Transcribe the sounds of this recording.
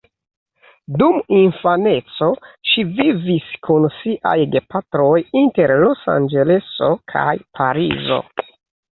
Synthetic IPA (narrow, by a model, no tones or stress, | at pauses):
duminfane̞t͡so̞ʃiviviskunsiʔa̰jɡepatɾo̞jinte̞ɾlo̞sa̰nd͡ʒe̞le̞so̞kʰa̰jpʰa̰ɾḭzo̞̰